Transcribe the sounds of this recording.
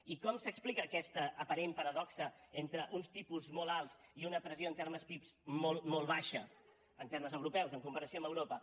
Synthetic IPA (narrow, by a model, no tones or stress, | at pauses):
ikɔmsəksplikəːkɛst̪əːpəɾempəɾəðɔksəent̪ɾəʔunst̪ipuzmɔlalˠziunəpɾəzioənt̪erməspipzmolˠmolˠβaʃə | ənt̪eɾməzəwɾupɛwzəŋkumpəɾəsioəmbəwɾopə